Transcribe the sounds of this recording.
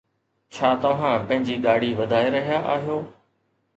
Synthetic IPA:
t͡ɕʰaːt̪ɐʋ̤ãːpɐ̃ɦɪ̃ɲd͡ʑiːɠaːɽ̤iʋɐd̪ʱaːeɾɐɦijaʔaːɦijoː

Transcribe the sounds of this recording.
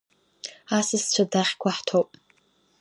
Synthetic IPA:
asɨst͡ɕʷʰadaχʲkʷʰaħtʰowpʼ

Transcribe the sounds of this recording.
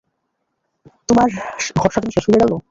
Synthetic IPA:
t̪omaɾɡʱɔɾʃat̪umiʃeʃuoleɖalo

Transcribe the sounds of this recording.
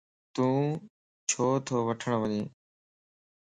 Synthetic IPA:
t̪ũː | t͡ʃʰoːt̪ʰoːʋəʈʰəɳʋənĩː

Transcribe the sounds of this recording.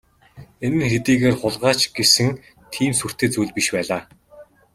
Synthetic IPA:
enɘ̆nxet̪iːɣeːrχʊɮʁaːt͡ɕɡ̥esɘ̆ŋ | t̪ʰiːmsur̥t̪eːt͡sujɮpiʃpæːɮaː

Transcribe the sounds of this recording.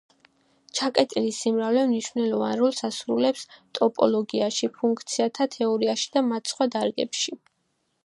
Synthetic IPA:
t͡ʃʰakʼɛt̪ʼilisimɾavlɛmniʃv̥nɛlɔva̰nɾɔlˠsasɾulɛpst̪ʼɔpʼɔ̰lˠɔɡiaʃipʰuŋkʰt̪sʰiat̪ʰat̪ʰɛɔɾiaʃi̥d̪amat̪sʰχwad̪aɾɡɛ̰pʃi

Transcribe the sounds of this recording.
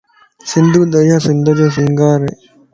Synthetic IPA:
sɪnd̪uːd̪ɐjaːsɪnd̪ɐɾeːs̬ĩːŋɡaːɾḛː

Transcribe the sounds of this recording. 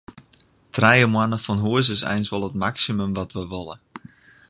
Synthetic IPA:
tʰrɛjəmwanəfɔnɦuəs̬əsɛ̰jnsʋɔlˠətmaksimømʋɔtʋəʋolˠə

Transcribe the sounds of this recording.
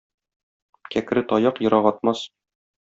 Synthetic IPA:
kækɘ̆ɾɘt̪ɒjɑqjɤ̆ɾɑʁɒt̪̚mɑs

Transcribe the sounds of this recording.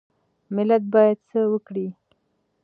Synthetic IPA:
mɪlat̪̚bɑjad̪̚səwəkɽi

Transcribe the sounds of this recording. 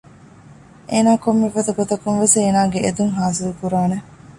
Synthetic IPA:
ʔeːnaːkomːefɐt̪ɐɡot̪ɐkːunʋeseːnaːɡeed̪uŋɦaːsilukuɾaːne

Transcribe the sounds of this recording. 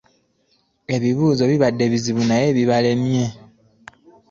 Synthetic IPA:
e̞βiβuːzo̞βiβadːe̞βiziβunaje̞βiβale̞mje̞

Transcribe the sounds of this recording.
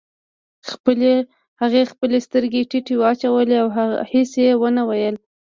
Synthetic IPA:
haɣexpəlest̪əɾɡeʈɪʈewəat͡ʃawəleawhesjewənawajəl

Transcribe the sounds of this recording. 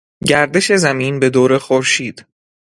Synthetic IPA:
ɟæɾd̪e̞ʃe̞zæmiːnbe̞d̪oːɾe̞xoɾʃiːd̪̥

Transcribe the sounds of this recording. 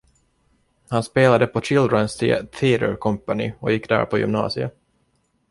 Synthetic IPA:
hanspeːlad̪əpʰɔt͡ʃɪld̪ɾɔənst̪ʰiːt̪ʰiːɾə̰ɾkʰɔmpanɪ̰ɔjɪkːd̪æ̰ːɾpʰɔjʏ̰mnɑ̰ːsɪə̰

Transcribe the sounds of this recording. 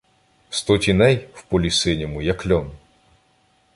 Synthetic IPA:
st̪ɔtʲinɛjwpɔlʲisɪnʲimʊjɐklʲɔn

